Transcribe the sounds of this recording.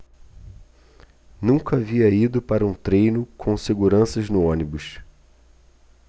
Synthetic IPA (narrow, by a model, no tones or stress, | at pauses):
nũkɐaviɐid̪ʊpaɾɐũt̪ɾejnʊkʰõw̃seɡuɾɐ̃sɐʒnʊõnibʊʃ